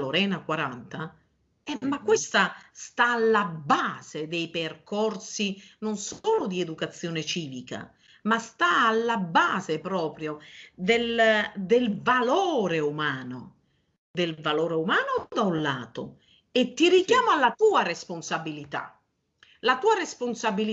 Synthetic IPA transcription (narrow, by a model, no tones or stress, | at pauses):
loɾɛːnakwaɾa̰nt̪a | ɛmakːwest̪ast̪aːlːabaːz̥ed̪ejperkɔrsinonsoːlʊd̪ied̪ukat̪sːjɔːnet͡ʃiːvika̰ | mast̪aːlːabaːzepɾɔːpɾjod̪eld̪elvaloːɾeumaːno̰ | d̪elvalɔːɾeumaːnʊd̪aulːa̰ːt̪ʊ̰ | et̪ːirikjaːmʊalːat̪uːaresponsabilit̪a̰ | lat̪uːaresponsabili